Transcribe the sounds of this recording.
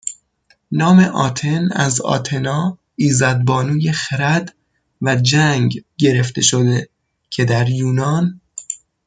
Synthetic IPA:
nɒːme̞ʔɒːt̪ʰe̞næ̰zɒ̰ːt̪ʰe̞nɒː | iːzɒːd̪̚bɒːnuːje̞xeɾæd̪ | væd͡ʒæŋɡɡe̞ɾe̞ft̪e̞ʃod̪e | cʰe̞d̪æɾjuːnɒːn

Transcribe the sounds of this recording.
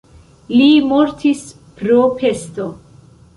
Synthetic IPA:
limoɾtʰis | pɾopʰe̞sto

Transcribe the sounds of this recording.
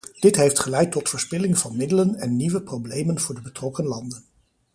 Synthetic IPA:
d̥ɪtɦejftχəlɛjtːɔtfʊːɹspɪlɪŋvɑnmɪdələnɛnːiʋəprowblejmənvʊːɹdəbətrɔkənlɑndən

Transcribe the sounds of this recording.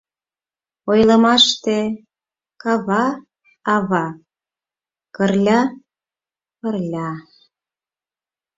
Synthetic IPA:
ojlɤ̆mɑʃt̪e | kɑβɑ | ɑβɑ | kərlʲɑ | pə̆rlʲɑ

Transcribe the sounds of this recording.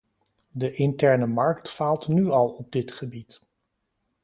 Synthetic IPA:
dəʔɪntɛɹnəmɑɹktfaːlˠtnyɑlˠɔb̚dɪtχəbit

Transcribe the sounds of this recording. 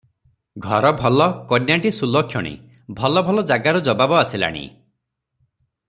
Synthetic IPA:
ɡʱɔɾɔbʱɔlɔkɔdjaʈisulɔkʰːjɔɽ̃ḭ | bʱɔlɔbʱɔlɔd͡ʒaɡaɾud͡ʒɔbabɔasila̰ɽ̃ḭ

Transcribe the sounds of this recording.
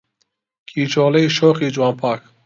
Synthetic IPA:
kʰiːt͡ʃoːlɐiʃoːxiːd͡ʒuwɑːnpʰɑːk

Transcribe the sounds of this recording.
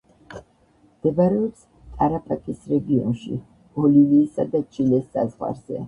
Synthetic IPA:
md̪̥ɛbaɾɛɔps | t̪ʼaɾapʰakʰʼisɾɛɡiɔ̰nʃḭ | b̥ɔliviːsad̪at͡ʃʰʼilɛsːa̰zʁwa̰ɾz̥ɛ̰

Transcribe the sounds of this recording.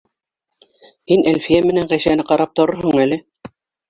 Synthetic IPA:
hinʔælfijæmɘ̆næɴʁæjsænɘqɑɾɑp̚t̪ŏɾoɾɦɦoɴælɘ

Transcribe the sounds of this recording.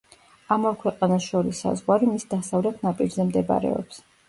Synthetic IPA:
amavkʰwɛqʼanaʃɔɾisːa̰zʁwaɾimisd̪asavlɛt̪ʰnapʼiɾzɛmd̪ɛba̰ɾɛ̰ɔ̰ps

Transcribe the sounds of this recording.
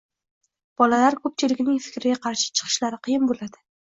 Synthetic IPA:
b̥ɒlalaɾkʰɵp̚t͡ʃʰɪlɪkʲnɪŋfɪ̥kʲɾɪɡʲaqʰɑɾʃɪ̥t͡ʃʰɨ̥qʰɨ̥ʃlaɾɪqʰijɪnbolad̪ɪ

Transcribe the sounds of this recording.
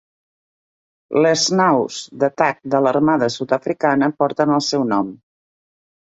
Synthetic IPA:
ləznawz̥d̪ət̪ak̚d̪ələɾmaðəsut̪əfɾikanəpɔɾt̪ənəlˠsɛwnɔm

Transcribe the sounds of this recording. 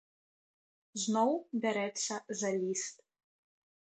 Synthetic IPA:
znɔwbʲɛɾɛt̪sʲɐzɐlʲist̪

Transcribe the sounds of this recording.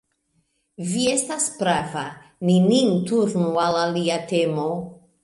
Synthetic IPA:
viest̪aspɾavaninint̪uɾnualaliat̪emo

